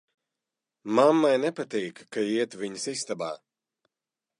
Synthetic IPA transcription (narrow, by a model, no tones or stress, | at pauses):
mamːajnɛpat̪iːkːaiɛt̪vʲiɲəsist̪abaː